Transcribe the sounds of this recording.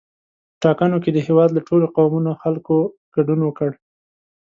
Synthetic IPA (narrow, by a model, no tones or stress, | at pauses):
ʈɑkanoked̪əhewɑd̪laʈʰoloqawmunoxalko | ɡ̥aɖunwəkəɽ